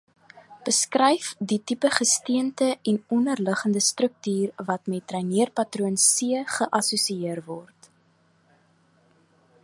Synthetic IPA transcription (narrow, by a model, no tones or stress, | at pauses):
b̥əskrɛjfditipəχəstiəntəɛnɔnərləχəndəstrək̚tyːrvɐtmɛtrɛjniərpɐtruənsiəχəʔɐsusiiərvɔrt